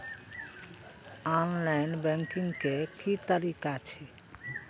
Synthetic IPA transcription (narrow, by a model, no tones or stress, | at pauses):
ɔnlajnbɛŋkiŋkeʈʰit̪aɾikat͡ɕʰe